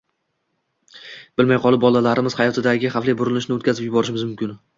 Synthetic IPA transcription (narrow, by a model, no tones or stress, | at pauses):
b̥ɪlmajqʰɒlˠɪp̚bɒlˠalaɾɪmɪz̥hajɒt̪ʰɪd̪aɡʲɪχaflijbʊɾɪlɪʃnɪot̪̚kʰʲazɪpjʊbɒɾɪʃɪmɪzmʊmkʲɪn